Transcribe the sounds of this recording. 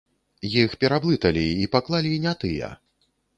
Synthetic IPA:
jixpʲɛɾablˠɨt̪ɐlʲiipaklˠalʲinʲat̪ɨjɐ̰

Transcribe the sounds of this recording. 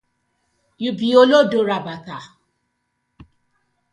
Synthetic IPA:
jubiolodoɾabaka

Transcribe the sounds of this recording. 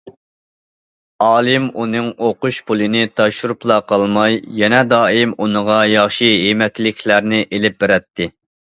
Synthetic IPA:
ɑːlˠɨmunɨŋoqʊʃpʰulˠɨnɪt̪ʰɑʃuɾuplˠɑqʰɑlˠmɑjːɛnɛd̪ɑːimunəʁɑjɑχʃiɦemɛkʲlɪkʰʲlæɾnɪʔelɪp̚beɾɛt̪ʰːɪ

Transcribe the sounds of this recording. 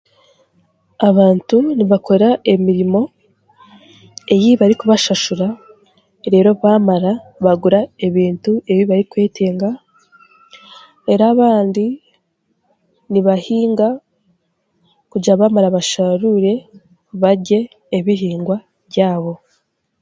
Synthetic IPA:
aβaːntuniβakʰo̞ɾae̞miɾimo̞ | e̞jiβaɾikuβaʃaʃuɾa | ɾe̞ːɾo̞βamaɾaβaɡuɾae̞βiːntue̞βiβaɾikweːtʰeːŋɡa | e̞ɾaβaːndi | niβahiːŋɡa | kuɟaβamaɾaβaʃaɾuɾe̞ | βaɟe̞ː | βiɦiːŋɡwa | βjaːβo̞

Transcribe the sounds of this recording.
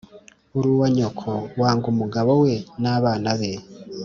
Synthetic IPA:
uɾuwaɲokʰowaːŋɡumuɡaβowe̞naβaːnaβe

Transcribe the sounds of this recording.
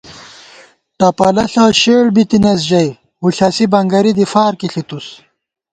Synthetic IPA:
ʈɐpɐlɐɬɐɕeːɭbit̪inɐs̬ʑɐj | huɬɐsibɐŋɡɐɾid̪ifaːɾkiɬit̪us

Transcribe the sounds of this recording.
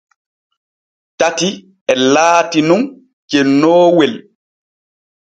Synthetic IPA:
tati | ɛlaːtinun | kenɔːwel

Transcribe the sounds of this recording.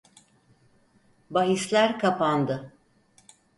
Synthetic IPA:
baɦislʲæɾkʰapand̪ɯ

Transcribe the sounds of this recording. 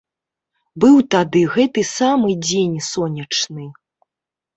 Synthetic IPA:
bɨwt̪ad̪ɨɣɛt̪ɨsamɨd͡zʲenʲsɔnʲɐt͡ʂnɨ

